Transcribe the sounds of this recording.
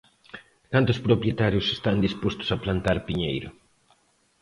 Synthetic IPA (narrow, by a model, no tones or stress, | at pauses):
kant̪ʊspɾopɾjet̪aɾjʊse̥st̪and̪ispost̪ʊ̥saplant̪aɾpiɲejɾʊ̰